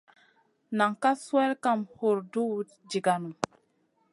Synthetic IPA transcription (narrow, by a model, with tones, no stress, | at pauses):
na˨ŋka˦swe˦lka˦˨mhu˨ɾdu˦˨˦ | d͡ʒi˨ɡa˨nu˨